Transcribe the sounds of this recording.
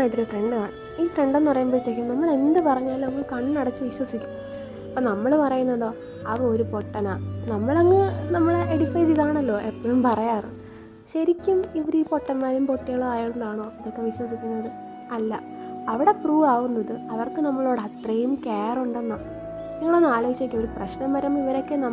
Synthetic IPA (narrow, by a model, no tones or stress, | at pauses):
aːjiʈːoɾuʈreɳɖɨaːɳɨ | iːʈreɳɖenːɨpɐrɐjaːmboːɾt̪ːek̬ʲːimnɐmːɐɭe̞nd̪ɨpɐrɐɲːaːloŋːɨkɐɳːnɐɽɐt͡ɕːɨʋiɕwɐsikʲːu̥m | ɐpːoːnɐmːɐɭpɐrɐjunːɐðo̞ː | ɐðɨo̞ɾupo̞ʈːɐnaːnɐmːɐɭoŋːɨnɐmːɐɭeɽifɐjd͡ʑiðaːɳɐlːo̞ːʔepːɐɻumpɐrɐjaːrɨ | ɕɐɾikʲːumiʋɐɾiːpo̞ʈːɐnmaːɾumpo̞ʈːiɣɐɭaːjaːʈːuɳɖaːɳoːiðo̞kːe̞ʋiɕwɐsikʲːunːɐðɨ | ɐlːɐ | ɐʋiɽe̞pruːʋaːɣunːɐðɨɐʋɐrkɨnɐmːɐɭo̞ːɽɐt̪rejumkeːruɳɖe̞nːɐ | niŋːɐɭonːaːloɡit͡ɕːɐkʲːɐmo̞ɾuprɐɕnɐmːɐɾɐmiʋɐɾo̞kːenɐ